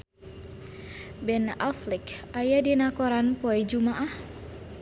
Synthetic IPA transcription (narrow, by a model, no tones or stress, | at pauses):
bɛna̰flikajadinakɔɾanpɔɛd͡ʒumaʔah